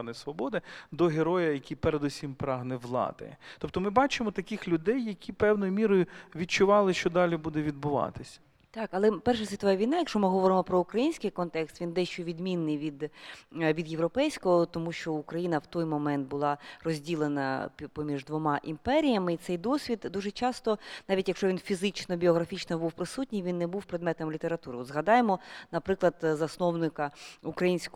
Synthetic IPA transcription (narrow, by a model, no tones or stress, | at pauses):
nɔjsʋɔbɔd̪ɪd̪ɔɦeɾɔjɐjɐkʲipeɾed̪usʲimpɾɑɦnɛʋlˠɑ̰d̪ɐ̰t̪ɔp̚t̪ɔmɪbɑt͡ʃɪmɔt̪ɐkʲɪxlʲʊd̪ɛjːɐkʲipɛwnɔjʊmʲiɾɔjʊʋʲit̚t͡ʃʊʋɑlˠɪʃt͡ʃɔd̪ɑlʲibud̪ɛʋʲid̪̚bʊʋɑ̰t̪ɪsʲɐ̥ | t̪ɑkɐlˠɛpɛrʃɛsʲit̪ɔʋɛɛʋʲijnɑjɐkʃt͡ʃɔmɪɦɔʋɔɾɪmɔpɾɔʊkɾɐjinʲsʲkɪjkɔnt̪ɛkst̪ʋʲind̪ɛʃt͡ʃɔʋʲid̪mʲinːɪjʋʲid̪ʋʲid̪jeʋwɾɔpɛjsʲkɔɦɔt̪ɔmuʃt͡ʃɔʊkɾɐjinɐwt̪ɔjmɔmɛnt̪̚bʊlˠɑrɔzʲdʲilˠenɐ̰pɔmʲiʐd̪ʋɔmɑʔimpɛɾʲijɐmɪit̪sɛjd̪ɔsʲʋʲid̪d̪uʒɛt͡ʃɑst̪ɔnɑʋʲitʲjɐkʃt͡ʃɔʋʲinfʲizɪt͡ʃnɔbʲiɔɣɾɐfʲit͡ʃnɔbuwpɾɪsut̚ʲnʲɪjʋʲinːɛbuwpɾed̪mɛt̪ɐmlʲit̪eɾɐt̪uɾɪɔt̪zɦɐd̪ɑjemɔnɐpɾɪklˠɐd̪zɐsnɔwnɪkɐukɾɐjinʲsʲk